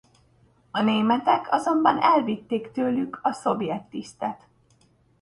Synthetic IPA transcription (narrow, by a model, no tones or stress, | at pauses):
ɒneːmɛt̪ɛkʰɒzo̞mbɒnɛlvit̪ːeːkt̪øːlykʰɒso̞bjɛt̪ːist̪ɛt̪